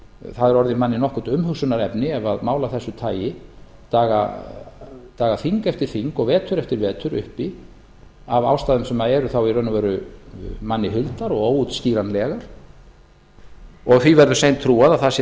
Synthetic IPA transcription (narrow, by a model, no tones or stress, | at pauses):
θaðɛɾɔɾðɪmanːɪnɔhkʏt̪ʏmhʏksʏnaɾɛpnɪɛvaðmaːwlaθɛsːʏt̪ʰaːjɪ | t̪aːɣa̰ | t̪aːɣaθiŋkɛft̪ɪɾ̥θiŋkɔɣvɛːt̪ʰʏɾɛft̪ɪɾvɛːt̪ʰʏɾʏ̰hpi | ava̰ːwst̪aːðʏmsɛmaðɛɾʏθawirœnʏvɛːɾʏ | manːɪɦʏlt̪aɾɔɣoːwut̪sciːɾanlɛːɣaɾ̥ | ɔɣθvivɛɾðʏsejnt̪ʰɾuːaðaθas